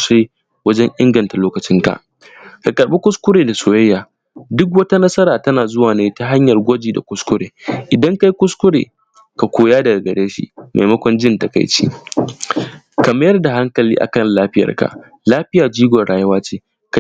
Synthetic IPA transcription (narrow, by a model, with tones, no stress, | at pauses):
ʃeː˦ | wɐ˦d͡ʒɛ˦ɲʔɪ˦ŋɡɐ˨nta˨loː˦kɐ˨t͡ʃɪ˦ŋka̰˨ʔ | ka˨kʼɐ˨ɽɓe˦kʷʊ˦skʷʊ˦ɽeː˨da˨soː˨jɐ˦jːaː˨ | dʊ˦k̬wɐ˦ta˦nɐ˦sɐ˦ɾaː˨tɐ˦naː˨zʊ˦waː˨neː˦ta˦ɦa˦ɲjɐ˨rɡʷɔ˦d͡ʒiː˨da̰˨kʷʊ˦skʷʊ˦ɾeː˨ʔɪ˨dɐ˦ŋka˦jkʷʊ˦skʷʊ˦ɽḛː˨ | ka˨kʷoː˨˦jaː˦dɐ˨ɡa˨ɡɐ˨ɽeː˦ʃḭ˦mʔa̰˨jmɐ˦kʷɔ˦nd͡ʒɪ˦ntɐ˨ka̰˨jt͡ʃḭː˦ | kɐ˨ma˦jɐ˦rda˨ɦa˦ŋkɐ˨liː˦ʔa̰˨kɐ˦nlaː˦ɸɪ˦jɐ̰˨rka̰˨ʔ | laː˦ɸɪ˦jaː˨d͡ʒiː˦ɡʷɔ˨ɽaː˨jɐ˦waː˦t͡ʃeː˦ | ka˨